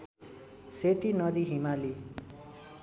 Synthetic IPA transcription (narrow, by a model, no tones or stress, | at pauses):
set̪inʌd̪iɦimali